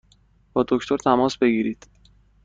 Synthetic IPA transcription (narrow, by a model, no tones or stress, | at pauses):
b̥ɒːd̪o̞kt̪ʰo̞ɾt̪ʰæmɒːsbe̞ɡiːɾiːd̪̥